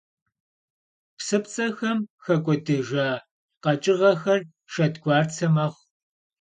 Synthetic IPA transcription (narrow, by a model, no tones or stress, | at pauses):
psɨpt͡sʼɐxɐmxɐkʷʼɔdɨʒaː | qɐt͡ʃʼɪʁɐxɐr | ʃɐdɡʷɑːrt͡sʰɐmɐʁ